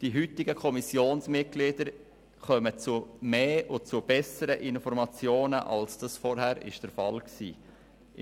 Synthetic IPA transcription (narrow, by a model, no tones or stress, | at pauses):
d̥iɦyt̪ɪɡəkʰɔmisjoːnsmɪt̚ɡ̥lid̥əɾ | χœmət͡sumeːʊt͡sub̥ɛsəɾəʔɪnfɔɾmɑt͡sjoːnəʔɑ̰lsd̥ɑsfɔɾɦæɾɪ̰ʃd̥əɾfɑlksḭː